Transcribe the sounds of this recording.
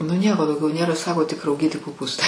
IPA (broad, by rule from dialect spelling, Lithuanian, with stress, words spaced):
nʊ ˈnʲiɛkoː dɐʊˈɡʲɛʊ ˈnʲeːrɐ ˈsɑːkoː tʲɪk rɐʊˈɡʲiːtʲɪ koːˈpuːstɐɪ